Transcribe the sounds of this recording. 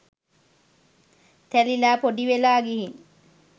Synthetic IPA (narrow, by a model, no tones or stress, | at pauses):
t̪ælilaːpoɖiʋelaːɡiɦiŋ